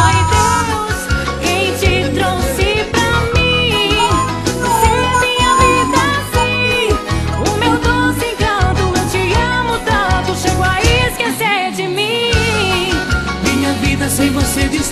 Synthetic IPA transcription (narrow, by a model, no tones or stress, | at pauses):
ajd̪eʊs | kẽj̃t͡ʃɪt̪ɾowsɪpɾɐmĩ | sẽɐmĩɲɐvid̪ɐsĩ | ʊmewd̪osẽkɐ̃t̪ʊnɐ̃w̃t͡ʃɪɐmʊt̪ɐ̃t̪ʊʃeɡʊaieskesed͡ʒɪmĩ | mĩɲɐvid̪ɐsẽj̃vosed̪is